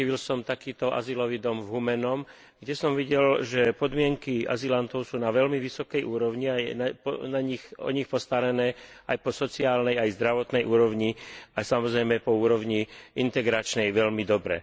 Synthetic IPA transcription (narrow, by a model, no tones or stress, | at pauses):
iʋilsɔmt̪akiːt̪ɔʔa̰zilɔʋiːd̪ɔmvɦumɛnɔm | ɡɟɛsɔmʋiɟɛlʒɛpɔd̪mɪɛŋkia̰zilant̪ɔʊsuːnaʋɛʎmiʋisɔkɛjʔuːɾɔʋɲianapɔnaɲixɔ̰ɲixpɔst̪aɾɛnɛːajpɔsɔt͡siaːlnɛjajzd̪ɾaʋɔt̪nɛjʔuːɾɔʊɲiasamɔzɾɛjmɛpɔuːɾɔʋɲiʔint̪ɛɡɾat͡ʃnɛjʋɛʎmid̪ɔbɾɛ̰